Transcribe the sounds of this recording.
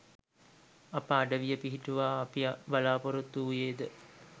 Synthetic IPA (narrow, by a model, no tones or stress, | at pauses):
ɐpaːɖəʋijəpiɦiʈuʋaːpiʋɐlaːpoɾut̪ːujeːd̪ə